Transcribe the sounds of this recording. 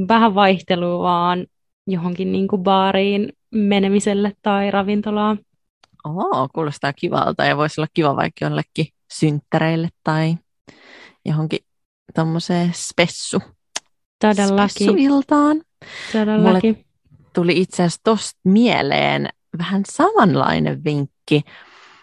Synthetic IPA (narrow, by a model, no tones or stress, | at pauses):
ʋæhæʋʋɑiht̪eluːʋɑːn | joɦoŋkinniːŋkubɑːɾiːn | menemiselːet̪tɑirɑʋint̪olɑː | oːkuːlosit̪ɑkiʋɑ̰lt̪ɑ̰jɑʋoisolːɑkkiʋɑʋɑ̰ikio̰lːekːi | synt̪ːæɾeilːet̪ːɑi | jo̰ɦoŋki | t̪omːoseːspesːu | t̪odelːɑesːuilt̪ɑːn | t̪odelmlːmulːe | t̪uliit̪seæst̪ost̪̚miḛlḛːn | ʋæhænsɑmɑnlɑ̰inḛʋʋiŋkːi